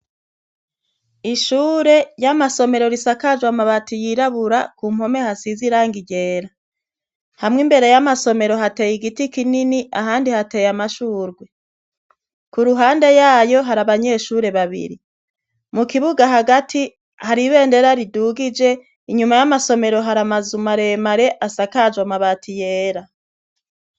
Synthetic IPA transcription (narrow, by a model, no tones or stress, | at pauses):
iʃuːɾe̞jamaso̞me̞ɾo̞ɾisakad͡ʒwamaβatijiɾaβuɾakuːm̥ho̞me̞hasiziɾaːŋɡiɟe̞ːɾa | hamŋimbe̞ɾe̞jamaso̞me̞ɾo̞ɦate̞jiɡitikininiʔaɦaːndihate̞jamaʃuːɾɡwe̞ | kuɾuɦaːnde̞jaːjo̞ɦaɾaβaɲe̞ːʃuːɾe̞βaβḭɾi | mukiβuɡaɦaɡatʰi | haɾiβe̞ːnde̞ɾaɾiduːɡid͡ʒe̞ | iɲumajamaso̞me̞ɾo̞ɦaɾamazumaɾe̞maɾe̞ʔasakad͡ʒwamaβaːtʰije̞ːɾa